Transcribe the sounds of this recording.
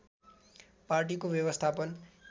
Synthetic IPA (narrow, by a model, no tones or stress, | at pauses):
parʈ̬ikobjʌbʌst̪ʰapʌn